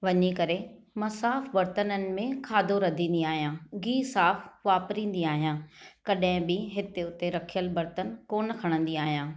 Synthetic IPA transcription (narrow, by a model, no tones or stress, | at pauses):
ʋɐɲikɐɾe | mɐsaːfbɐɾt̪ənənɪ̆mẽkʰaːd̪ʱoɾɐd̪ʱĩːn̆d̪iaːɦijãːɡiːsaːfʋaːpɾĩːn̆d̪iaːɦijãːkɐɗɦɪ̃bɪɦɪt̪eʊt̪eɾɐkʰijəlbɐɾt̪ənkoːnə̆kʰɐɽ̃ə̃nd̪iaːɦijãː